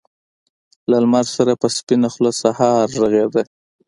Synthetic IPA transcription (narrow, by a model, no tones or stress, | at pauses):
lalmaɾsaɾapəspinaxlosahɑɾːəɣed̪e